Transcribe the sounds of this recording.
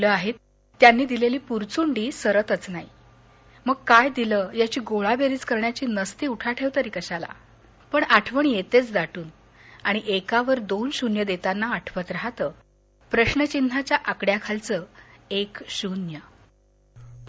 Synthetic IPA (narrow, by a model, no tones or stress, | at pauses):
ləaɦet̪ː | janːiːd̪ileliːpuɾt͡suɳɖiːsəɾət̪ət͡snai | məɡ̚kajd̪iləːjat͡ɕiːɡoɭabeɾiːt͡skəɾɳjat͡ɕiːnəst̪iːuʈʰaʈʰeʋt̪əɾiːkəɕala̰ | pəɳaʈʰʋəɳijet̪et͡sd̪aʈuːn | aɽ̃iʔekaʋəɾd̪onɕunjəd̪et̪anːaːʈʰʋət̪ɾaɦt̪əː | pɾəɕnət͡ɕinʱat͡ɕjaʔakɽjakʰalt͡səːekɕunjə